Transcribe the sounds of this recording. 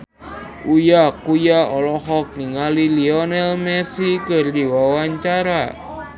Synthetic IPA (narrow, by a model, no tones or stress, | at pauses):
ujakujaɔlɔɦɔk̚niŋaliliɔnɛlmɛsikərdiwawaɲt͡ʃaɾa